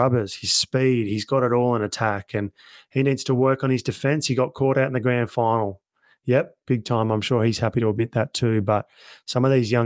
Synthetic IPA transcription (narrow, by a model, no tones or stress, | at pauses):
ʌbə˞z̥hiz̥spid̚hizɡɑɾɨɾɔlˠə̃nɨtʰækɨ̃n | hinidz̥tʰəwɜ˞kn̩ɨzdɨfɛ̃nshiɡɑt̚kʰɔɹɾaʊɾn̩ðɨɡɹæ̃ʊ̃nd̥fãɪ̃nl̩ˠ | jɛp̚b̥ɪɡ̚tʰãɪ̃mãɪ̃mʃʊɹiz̥hæpiɾəəbɪt̪̚ðɨtʰʉbʌt̚sʌ̃mʌvðizjʌ̃